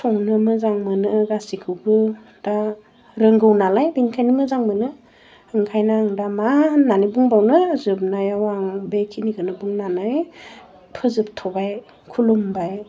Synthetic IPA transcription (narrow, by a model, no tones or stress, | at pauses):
sʰɔŋnɯmɯzaŋmɯnɯɡasikʰɯwbɯ | d̥a | ɾɯŋɡɯwnalajbinkʰajnɯmɯzaŋmɯnɯ | ɯŋkʰajnaɯŋdamananibuŋbawnɯzɯp̚najawaŋbekʰiniɡʰɯnɯbuŋnanɯj | pʰɯzɯp̚tʰɔbaj | kʰulumbaj